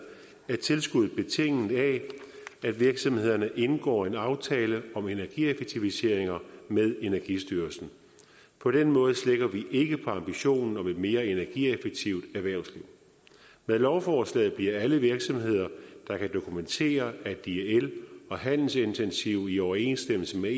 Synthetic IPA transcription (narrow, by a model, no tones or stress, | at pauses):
æɐt͡sʰe̝lsɡ̥uð̩ˠb̥e̝t͡sʰe̝ŋ̰n̩dæ | æd̥ʋiɐɡ̥sɒ̽mhe̝ð̞̰ˠɐnəʔe̝nɡ̥ɒ̰ːe̝nɑ̈ʊt͡sʰɛːləɒ̽me̝næɐɡ̥iefeɡ̥̚t͡sʰiʋise̝ɐ̰e̝ŋɐmeðˠe̝næɐɡ̥isd̥yːɐsn̩ | pʰɒ̽ɾ̥enmɔ̽ːð̞̩ˠsleɡ̥ɐʋiʔe̝ɡ̥əpʰɒ̽ɑ̈mb̥iɕo̝̰ːnn̩ɒ̽meme̝ːɐe̝næɐɡ̥iefeɡ̥̚t͡sʰiʊ̰d̥æɐʋæɐʊsliʊ̰ | meðˠlɒʊfɒːslɛ̰ːð̩ˠb̥liɐæləʋiɐɡ̥sɒ̽mhe̝ð̰ˠɐd̥ɑ̈kʰæd̥o̝kʰument͡sʰe̝̰ːɐæd̥ielɒ̽ɦæn̰l̩se̝nt͡sʰensiʊ̰iɒʊɐe̝̰ːnsd̥eml̩səme